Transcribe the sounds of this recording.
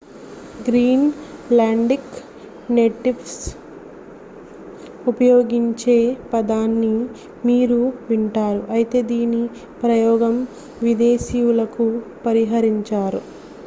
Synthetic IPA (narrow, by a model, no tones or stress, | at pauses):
ɡɾiːnlaːɳɖik | neːʈiʋs | upɐjoːɡiɲt͡ʃe̞ːpɐd̪aːnːi | miːɾuʋiɳʈaːɾuʔɐjt̪e̞ːd̪iːni | pɾɐjɔːɡɐm | ʋid̪e̞ːʃijulɐkupɐɾiɦɐɾiɲt͡ʃaːɾu